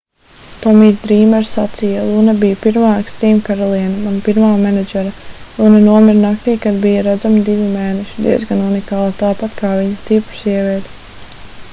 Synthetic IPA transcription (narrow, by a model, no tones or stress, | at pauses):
t̪ɔmiːzd̪ɾiːmɛɾsat̪sijalˠunɛbijapiɾmaːekst̪ɾiːmkaɾɔlˠiɛnɐmanpiɾmaːmɛnɛd͡ʒɛɾalˠunɛnuɔmiɾnak̚t̪iːkad̪bijaɾad̪zamid̪iʋʲimɛːnɛʃid̪ḭɛzɡanunikaːlˠat̪aːpat̪kʰaːviɲast̪ipɾu̥siɛvʲiɛd̪